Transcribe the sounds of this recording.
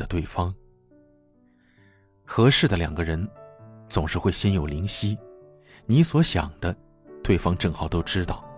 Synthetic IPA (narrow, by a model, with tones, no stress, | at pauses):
ə˨t̪we˥˩ɪfɑ˥ŋ | xɤ˧˥ʂɻ̩˥˩d̪ə˩ljɑ̰˨˩ŋɡə˦ɻə˧˥nt͡sʊ˨˩ŋʂɻ̩˥˧xwe˥˩ɪɕjɛ˥njo˨˩ʊli˧˥ŋɕi˥ | ni˧˥swɔ˧˥ɕjɑ̰˨˩ŋd̪ə˦ | t̪we˥˩ɪfɑ˥ŋʈ͡ʂɤ˥˩ŋxɑ˨˩ʊt̪o˥ʊʈ͡ʂɻ̩˥t̪ɑ˥˩ʊ